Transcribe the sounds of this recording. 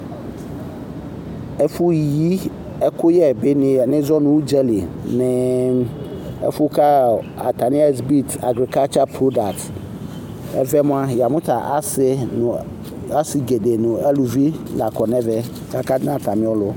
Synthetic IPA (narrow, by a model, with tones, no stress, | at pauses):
e˦fu˦ji˦ | e˦ko˦jɛ˦˨be˦n˨nɪ̃˦zɔ˦nũ˨wu˦d͡ʒɛ˦li˨nẽ˦ | ḛ˦fu˦ka˦a̰˨t̪a˨ni˦a˦˨sbi˦t̪a̰˨ɡɾi˨ka˦lt͡ʃa˦pɾo˦da˨t | ɛ̰˦vɛ˦mʊ̃˦a˦ja˨mʊ̃˦t̪a˨ʔa˦sɪ˦n˨ | a˦si˨ɡe˨ɖe˨nʊ̃˨e˦lu˨vi˦la˨kɔ˨nɛ̃˦vɛ˦ | ka˦ka˦nã˦t̪a˨mĩ˦wlo˦